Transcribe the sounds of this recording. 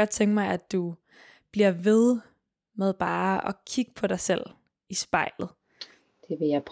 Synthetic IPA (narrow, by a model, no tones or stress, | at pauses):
ɒ̽d̥̚t͡sʰeŋɡ̥mɑ̈ɪæd̥u | b̥liɐ̰ʋe̝ð̞ˠ | með̞ˠb̥ɑ̈ːɒ̽kʰiɡ̥əpʰɒɾɑ̈ɪsel̰ | isb̥ɑ̈ɪ̰lð̩ˠ | d̥eʋejɑɪpʰ